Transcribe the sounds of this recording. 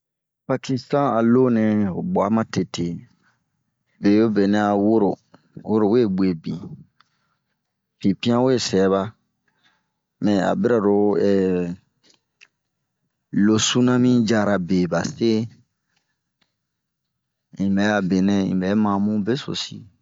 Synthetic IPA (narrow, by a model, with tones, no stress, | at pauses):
pa˧ki˧stã˦a˨lo˦nɛ̃˨o̰˨ɡ͡ba˨˦mã˦te˨te˨ | be˨jo˦be˨nɛ̃˦a˨wo˦ɾo˨ | wʔo˦ɾo˨we˦˨ɡ͡bwe˨bĩ˨ | fĩ˨pĩ˦ã˦we˦˨sɛ˨˦βa˦ | mɛ̃˨a̰˨be˦ɾa˨ɾo˨˦ɛ˨ | lo˨su˦nã˦mĩ˦d͡ʒa˦ɾa˨be˨ba˨se˦ | ĩ˨bɛ˨˦ja˦˨be˨nɛ̃˦ḭ̃˨bɛ˨˦mã˨mũ˦be˦so̰˨sḭ˦